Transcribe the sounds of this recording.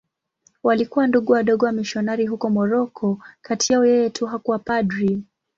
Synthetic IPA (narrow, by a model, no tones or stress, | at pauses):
walikuwanduɠuwaɗɔɠɔwamiʃɔnaɾiɦukɔmɔɾɔkʰɔkatiaɔjɛjɛtʰuɦakuwapadɾi